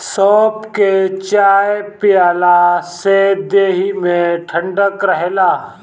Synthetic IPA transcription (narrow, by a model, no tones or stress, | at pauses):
sɔːpket͡ʃaːjpɪjaːlased̪eːɦimẽʈʰə̃ɳɖəkɾəɦelaː